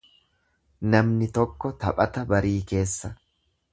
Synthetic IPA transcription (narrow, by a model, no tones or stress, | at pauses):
nɐmnɪt̪ɔkːɔt̪ɐ̰pʼɐt̪ɐbɐɾiːke̞ːsːɐ